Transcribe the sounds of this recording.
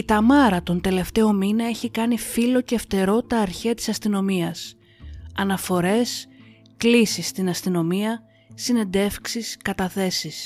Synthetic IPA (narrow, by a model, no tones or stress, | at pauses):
it̪ɐmɐɾɐt̪o̞nt̪e̞le̞ft̪e̞o̞minɐe̞çikɐnifilo̞ceːft̪e̞ɾo̞t̪ɐːɾçeɐt̪isɐst̪ino̞miɐs | ɐnɐfo̞ɾe̞s | klisist̪inɐst̪ino̞miɐ | sine̞nd̪e̞fksiskɐt̪ɐθe̞sis